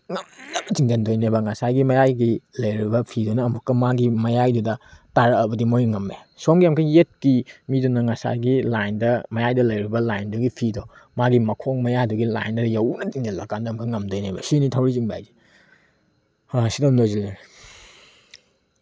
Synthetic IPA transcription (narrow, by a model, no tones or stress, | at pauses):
ŋɐmdɐmɐtiŋd͡ʒendojnebɐŋɐsajɡimɐjajɡilɐjɾibɐpʰidunɐːmukːɐmaɡimɐjajdudɐtaɾɐːbɐdimojŋɐmːḛ | somɡiamkʰɐjet̚kimidunːɐŋɐsa̰jɡilajndɐmɐjajdɐlɐjɾibɐlajnduɡipʰidomaɡimɐkʰoŋmɐjaduɡila̰jndɐɾjɐwnɐtiŋd͡ʒɐnlɐ̰kandɐmkʰɐŋɐmdojnebɐ̰sinitʰawɾiziŋba̰jzi̥ | asidɐmdojzilen